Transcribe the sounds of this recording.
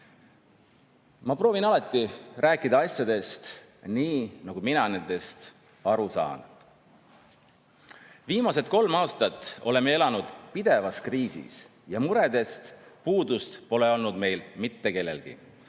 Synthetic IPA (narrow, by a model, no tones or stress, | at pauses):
mɑpro̞ːvinɑlɑt̪ˑːiræːkːˑid̪̥ɑɑsjɑd̪e̞st̪ | niːnɑɡ̥uminɑnend̪e̞st̪ | ɑɾusɑ̰ːn | viːmɑse̞t̪̚ko̞lmɑːst̪ɑt̪ːˑo̞le̞mee̞lɑnud̪̥pid̪̥e̞vɑskriːsḭs | jɑmuɾe̞d̪̥e̞st̪puːd̪ust̪po̞le̞o̞lnud̪me̞jlmit̪ːe̞ke̞lːe̞̰lɡ̥ḭ